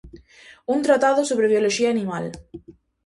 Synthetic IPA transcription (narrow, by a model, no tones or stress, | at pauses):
unt̪ɾat̪aðosoβ̞ɾeβjoloʃiaːnĩmal